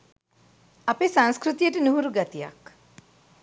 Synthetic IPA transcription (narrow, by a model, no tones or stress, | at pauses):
apesãŋskɾut̪ijəʈənuɦuɾuɡat̪ija̰k